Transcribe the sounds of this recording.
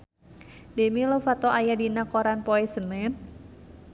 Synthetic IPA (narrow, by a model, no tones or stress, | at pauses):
dɛmilɔfat̪ɔʔajadinakɔɾanpɔɛsənɛn